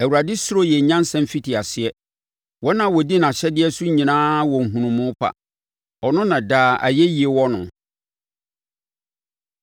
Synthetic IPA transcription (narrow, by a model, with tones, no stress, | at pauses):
æ˨wu˨a˨dɪ˦sʊ˦ɾo˦jɛ˨ɲã˦n˦sɛ̃˨m˨fi˦ti˨a˨sɪ˦ɛ˦ | wɔ˦nã˨wɔ˨di˦nã˨ɕɛ˦dɪ˦ɛ˦su˦ɲĩ˨nãː˦wɔ̃˨ŋ̩˨ɦũ˨nũ˨mːʊ̃˦pʰa̰˨ | ɔ˨nʊ̃˦nã˨daː˨˦˨ʔa̰˨jɛ˦ji˨e˨wɔ˦nʊ̰̃˨